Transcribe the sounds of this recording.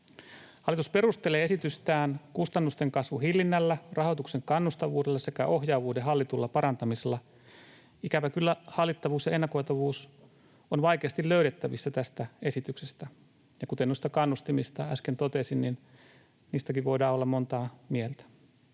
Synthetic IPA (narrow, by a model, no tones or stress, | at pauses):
hɑlːˑit̪uspe̞ɾust̪ele̞ːe̞sit̪yst̪æːnkust̪ɑnːust̪e̞ŋkɑsʋuɦilːinːælːærʔɑho̞t̪ukse̞ŋkɑnːust̪ɑʋuːdelːɑse̞kæ̰ʔo̞ɦjɑːʋuːdeɦɑlːit̪ulːɑpɑɾɑnt̪ɑmiselːɑ | ikæʋækylːæhɑlːit̪ːɑʋuːsjɑe̞nːɑko̞jt̪ɑʋuːs | onʋɑjke̞ɑst̪illø̞yɾet̪ːæʋisːæt̪æst̪æe̞sit̪yksest̪æ | jɑkut̪e̞nuist̪ɑkɑnːust̪imist̪ɑæskent̪o̞t̪e̞sinnin | niːst̪ækiʋʋo̞jdɑːolːɑmmo̞nt̪ɑːmielt̪æ̥